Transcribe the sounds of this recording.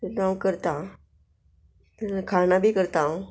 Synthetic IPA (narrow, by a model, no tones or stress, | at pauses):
t̪ãwkəɾt̪a | t̪əɾkʰanabʱiːkəɾt̪ã